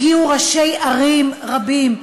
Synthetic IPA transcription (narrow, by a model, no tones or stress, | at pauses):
iuʁaʃejʔaʁimʁabim